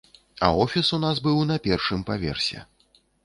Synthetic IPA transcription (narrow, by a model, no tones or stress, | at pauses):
ɐ̰ɔfʲisunasbɨwnɐpʲɛrʂɨmpavʲɛ̰rsʲɛ̰